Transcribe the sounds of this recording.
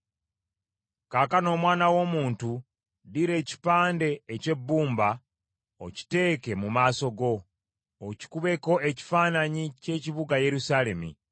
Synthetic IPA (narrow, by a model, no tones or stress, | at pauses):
kaːkano̞ːmwaːnawo̞ːmuːntu | diɾe̞ːci̥paːnde̞ːce̞bːuːmba | o̰ci̥te̞ːke̞mumaːso̞ɡo̞ː | ci̥kuβe̞ko̞ʔe̞ci̥faːnaɲice̞ːciβuɡaje̞ɾusaːle̞mḭ